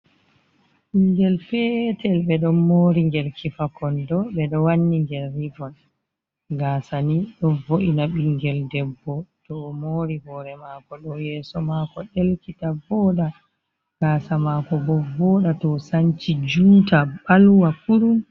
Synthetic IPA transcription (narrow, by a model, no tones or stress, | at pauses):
ɓiŋɡɛlfɛtɛlɓɛɗɔmoːɾiŋɡɛlkʰifakɔndɔɓɛɗɔwanːiŋɡɛlːivɔn | ɡaːsaniɗɔvoʔinaɓiŋɡɛldɛbːɔtɔmoɾihɔːɾɛmakɔɗɔjɛːsɔmakɔɗelkitavɔːɗa | ɡ̥aːsamakɔbɔvɔːɗatɔsaɲt͡ʃid͡ʒuːtaɓalwakuɾum